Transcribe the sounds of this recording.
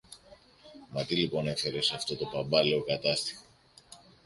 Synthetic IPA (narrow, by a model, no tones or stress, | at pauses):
mɐt̪ilipo̞ne̞fe̞ɾe̞sɐft̪o̞t̪o̞pɐmbɐliokɐt̪ɐst̪i̥xo